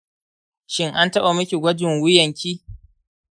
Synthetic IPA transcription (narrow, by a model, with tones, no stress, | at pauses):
ʃɪ˦ŋʔa˦ntɐ˦ɓa˨mʊ˦kʲi˨ɡʷɐ˦d͡ʒɪ˨ŋwʊ˦jɐ˨ŋkʲiː˦